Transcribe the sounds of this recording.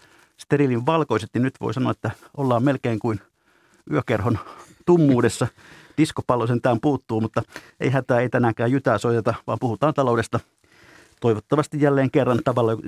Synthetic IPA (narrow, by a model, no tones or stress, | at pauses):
st̪ːeriliʋʋɑlkoiset̪ninyt̪ʋo̰isɑnoɑet̪ːæ | olːɑːmmelkeːŋkuin | yøkerhont̪umːuːdesːɑd̥iskopɑlːosent̪æːmpuːt̪ːuːmut̪ːɑ | ḛiɦæt̪æːeit̪ænækæːjjyt̪æːsoit̪et̪ɑʋɑ̰ːmpuhut̪ɑːnt̪ɑloudest̪ɑ | t̪oiʋot̪ːɑʋɑst̪ijjælːeːŋkerːɑnt̪ɑʋɑlːɑ